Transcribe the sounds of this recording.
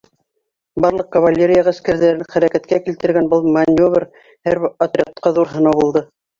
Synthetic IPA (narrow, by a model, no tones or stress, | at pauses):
bɑɾlˠɤq̚kɐvalʲːeɾʲɪjɑʁæskæɾðæɾɘŋχæɾækæt̪kækilt̪ɘ̆ɾɡænbɤlˠmanʲovr | hæɾɐt̪rʲeqt̪̚qɑðuɾɦɤ̆nɑwbulˠd̪ɤ